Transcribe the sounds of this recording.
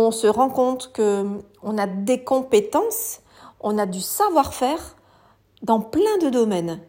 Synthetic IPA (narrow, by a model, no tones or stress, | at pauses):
ɔ̃səʁɑ̃kɔ̃t̪χkə | ɔ̃nad̪ekɔ̃pet̪ɑ̃s | ɔ̃nad̪ysavwaʁfɛːʁ | d̪ɑ̃plɛ̃d̪əd̪ɔmɛn